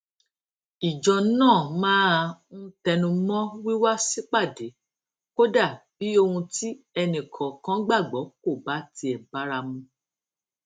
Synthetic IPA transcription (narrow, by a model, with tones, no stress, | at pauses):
i˨d͡ʒɔ˨nãː˦˨mãː˦a˧ũ˦tɛ˧nũ˧mɔ̃˦wi˦wa˦si˦k͡pa˦˨de˨˦ | ko˦da˦˨b̥i˨˦o˧hũ˧ti˦ | ɛ˧nĩ˨kʰɔ̃˨kã˦ɡ͡ba˦˨ɡ͡bɔ˨˦ko˦˨ba˨˦ti˧ɛ˨ba˨˦ɾa˧mũ˧